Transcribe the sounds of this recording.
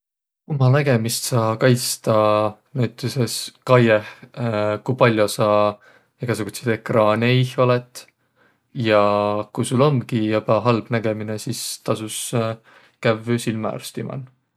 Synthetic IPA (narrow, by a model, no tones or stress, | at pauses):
kumɑnæɡe̞mist̪sɑːkɑjst̪ɑnæt̪ːˑuseskɑjeh | kujpɑlʲːjosɑ | eɡ̥ɑs̬eɡ̥used̪̥ekrɑːneiholet̪ˑ | jɑkujsulo̞mkijɑpɑɦɑlb̥næɡ̥e̞mine̞sist̪ɑsus | kævsilmɑɑ̰rst̪imɑ̰n